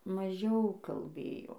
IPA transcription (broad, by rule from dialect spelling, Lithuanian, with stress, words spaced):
mɐˈʒʲɛʊ kɐlʲˈbʲeːjoː